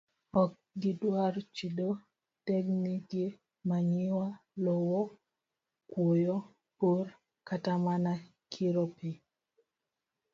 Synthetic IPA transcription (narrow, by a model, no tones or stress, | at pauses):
ɔk̚ɡɪdwart͡ʃido | tɛknikje | maɲɪwalowɔ | kwojɔ | por | katamana | kʰiɾopɪ